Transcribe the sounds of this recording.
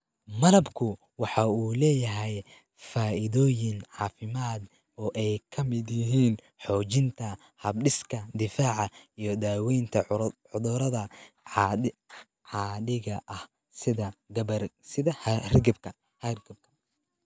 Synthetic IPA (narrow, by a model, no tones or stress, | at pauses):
mɐlɐbkʰʊ | wɑħɑuːlɛːjɐɦɛj | faːʔɪðɔːjɪnʕɑːfɪmaːd̪ | ɔːʔɛjkʰɐmɪd̪jɪɦiːn | ħɔːt͡ʃɪnt̪ʰɐ | hɐbɖɪskʰɐd̪ɪfaːʕɑijɞd̪aːwɛjnt̪ʰɐ | ʊðʊɾɐðɐ | ʕɑːɖɪɣɐʔɐh | sɪðɐɡɐbɐsɪðɐhrɡɐbkʰɐ | hɐrɡɐb̚kʰɐ̥